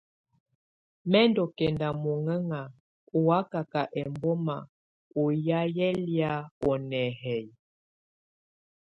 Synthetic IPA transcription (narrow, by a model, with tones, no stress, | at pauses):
mɛ˦ndɔ˨kɛ˨nda˨mɔ˨ŋɛ˦ŋa˨ | ɔ˨a˦ka˨ka˨ʔɛ˨mbɔ˦ma˨ | o˨ja˦jɛ˦lja˦ɔ˨nɛ˨ɦɛ˨j